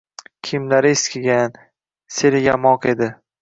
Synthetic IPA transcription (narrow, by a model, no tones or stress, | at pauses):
kʲʰɪmlaɾɪeskʲʰɪɡʲan | seɾɪjamɒqe̞d̪ɪ